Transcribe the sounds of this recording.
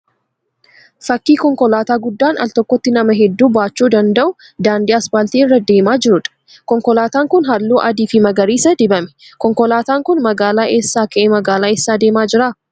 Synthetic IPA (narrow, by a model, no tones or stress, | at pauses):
fɐkːiːkɔŋkɔlaːt̪aːɡʊd̪ːaːnɐ̰lt̪ɔkːɔt̪ːɪnɐmɐɦɛd̪ːuːbaːt͡ʃːuːd̪ɐnd̪ɐʔʊ | d̪aːnd̪iːɐspaːlt̪iːɪrːɐd̪e̞ːmaːd͡ʒɪɾʊᶑ̪ɐ̥ | kɔŋkɔlaːt̪aːŋkʊnɦɐlːuːʔɐd̪iːfɪmɐɡɐɾiːsɐd̪ɪbɐmɛ̥kɔŋkɔlaːt̪aːŋkʊnmɐɡaːlaːʔe̞ːsːaːkɐʔemɐɡaːlaːeːsːaːd̪e̞ːmaːd͡ʒɪɾaː